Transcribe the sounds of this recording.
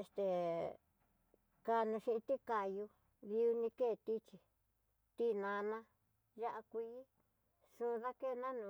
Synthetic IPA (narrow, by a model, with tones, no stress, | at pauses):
e˧st̪e˨˧ | ka˧nũ˧ʃĩ˧ʔĩ˧t̪i˦ka˨ju˧ | ði˧u˧nĩ˧keː˦˨t̪i˦t͡ʃi˧ | t̪i˦nã˧nã˦ | ja˦ʔa˧kʷi˧˦i˦ | sũ˧ða˦ke˦˨˧nã˦nũ˧